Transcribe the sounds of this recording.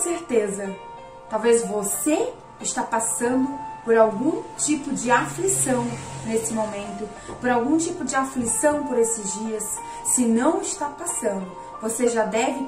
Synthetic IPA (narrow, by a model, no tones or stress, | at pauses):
seɾt̪ezɐ | t̪awvezvose | ɪʃt̪apasɐ̃nd̪ʊpoɾawɡũt͡ʃipʊd͡ʒɪaflisɐ̃w̃nesɪmomẽnt̪ʊ | poɾawɡũt͡ʃipʊd͡ʒɪaflisɐ̃w̃poɾesɪzd͡ʒiɐsː | ɪnɐ̃w̃ɪʃt̪apasɐ̃nd̪ʊ | voseʒad̪ɛvɪ